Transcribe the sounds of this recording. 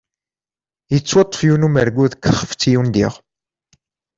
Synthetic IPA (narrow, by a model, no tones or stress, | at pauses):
jət͡sːwɑt̪ˤːə̥fjunuməɾɡuðkːəχəft͡sːijund̪iʁ